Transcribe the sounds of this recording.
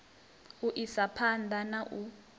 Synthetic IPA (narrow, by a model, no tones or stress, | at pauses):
uʔisapʰandʱanaʔu